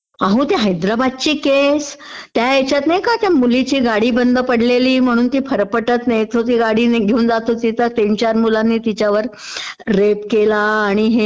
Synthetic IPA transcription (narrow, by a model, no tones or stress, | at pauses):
ãɦũːt̪eɦəjd̪ɾabad̪̚t͡ɕiːkes | t̪jaet͡ɕjat̪najkat̪jamulit͡ɕiːɡaɽiːbənd̪ʱəpəɽleliːm̤əɽ̃uːnt̪iːfəɾpəʈət̪najt̪ot̪̬iːɡaɽiːneɡʱeuːnd͡zat̪ot̪iːt̪əɾt̪eɲt͡ɕaɾmulanːiːt̪it͡ɕjaʋəɾ | ɾepkelaːɽ̃iɦe